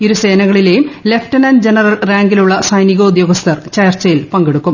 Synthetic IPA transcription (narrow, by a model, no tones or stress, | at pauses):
iɾuse̞ːnɐɣɐɭile̞ːjumle̞ftɐnɐnd͡ʑenɐrɐlraːŋɡiluɭːɐsɐjniɣoud̪jo̞ːɡɐst̪ʰɐrt͡ɕɐjɐrt͡ɕːɐjilpɐŋɡeɽukːum